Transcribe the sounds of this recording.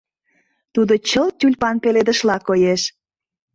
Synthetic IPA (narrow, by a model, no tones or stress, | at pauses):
t̪ud̪ot͡ɕəlt̪ylʲpɑnpeled̪ə̆ʃlɑkojeʃ